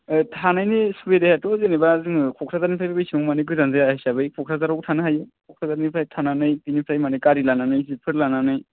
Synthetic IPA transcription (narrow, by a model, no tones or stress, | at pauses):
ɯtʰanajnɯsubedajatɔzenebazɯŋɯkʰɔkʰɾazaɾnipʰajbabajsimɔmanɯkɯjzanzajahajsabɯjkʰɔkʰɾʰazaɾɔwtʰanɯɦajɯkʰɔkʰɾazaɾnipʰajtʰananɯjpinipʰɾajmanɯjkaɾilananɯjzipʰɯɾlananɯj